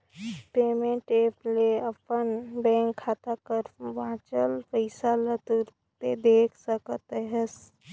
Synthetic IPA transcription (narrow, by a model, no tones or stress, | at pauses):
peːmẽɳʈeːpleəpənbɛ̃ːŋkʰːaːt̪akəɾʋãːt͡ʃəlfəɪsalət̪uɾ | t̪ed̪eːkʰsəkət̪ɦɛs